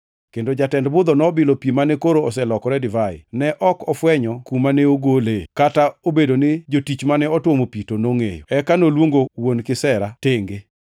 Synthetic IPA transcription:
kendod͡ʒatɛndbʊd̪ɔnɔbɪlopjimanɛkoɾoɔsɛlɔkɔɾɛdɪvajɪ̰nɛʔɔkɔfwɛɲɔkumanɛoɡolekataobedonɪd͡ʒotit͡ʃmanɛɔtwomopitonoŋḛjo̰ɛkanolwoŋɡowonkɪsɛɾateŋɡe

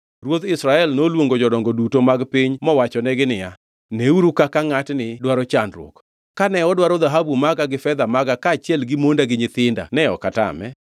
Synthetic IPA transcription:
rwot̪ɪsɾaɛlnolwoŋɡod͡ʒɔdɔŋɡodutomaɡpɪɲmɔwat͡ʃɔnɛɡɪnɪja | neuɾukakaŋatnɪdwaɾɔt͡ʃandɾwo̰k | kːanɛɔdwaɾɔd̪aɦabumaɡaɡɪfɛd̪amaɡakaːt͡ʃjɛlɡɪmondaɡɪɲɪt̪ɪnda̰nɛɔkata̰mɛ̰

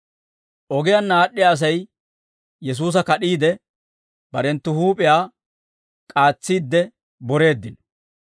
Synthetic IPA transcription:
ʔɔɡɪjanːaːɗːɪjaːs̬ɐj | jɛs̬uːs̬ɐkɐɗiːd̪ɛ | b̥ɐɾɛnt̪ːʊhuːpʼɪjaː | kʼaːt͡sːiːd̪ːɛ | bɔɾe̞ːd̪ːɪn

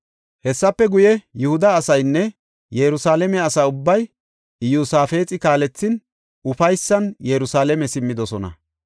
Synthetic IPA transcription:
hɛsːɐpːɛɡʊjɛjʊhʊd̪ɐːsɐjnːɛ | jɛɾʊsaːlɛmɛɐsaːʊbːɐj | juːsaːfeːt͡sʼɪkaːlɛt͡sːɪn | ʊfɐjsːɐnjɛɾʊsaːlɛmɛsɪmːɪd̪ɔsɔnɐ̰

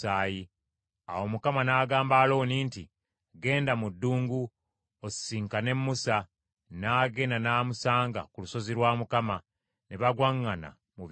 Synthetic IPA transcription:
aːji | awo̞mukamanaːɡaːmbaːlo̞ːniːnti | ɡe̞ːndamudːuːŋɡu | o̥siːŋkane̞mːusa | naːɡe̞nanaːmusaːŋɡa̰kuluso̞ziɾwaːmukama | neβaɡwaŋːana̰ | muβ

